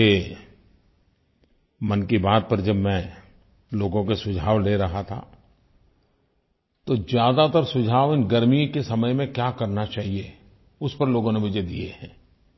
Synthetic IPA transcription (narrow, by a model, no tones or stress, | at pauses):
e | mɐnkibaːt̪̚pɐɾd͡ʒɐbmɛ̃ | loːɡõkesʊd͡ʒʱaːʋleɾɐɦat̪ʰa̰ | t̪ozjaːd̪at̪əɾsʊd͡ʒʱaːʋɪnɡɐɾmikesɐməjmẽkjaːkɐɾnat͡ʃaːɦie | ʊspɐɾloːɡõnemʊd͡ʒʱed̪ijḛɦɛ̃ː